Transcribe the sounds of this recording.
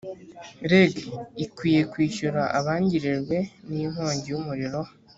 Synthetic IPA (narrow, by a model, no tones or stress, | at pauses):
ɾeɡikwiːje̞kwiːʃuɾaʔaβaːɲɟiɾiɾɡwe̞nim̥ho̞ːɲɟijumuɾiɾo̞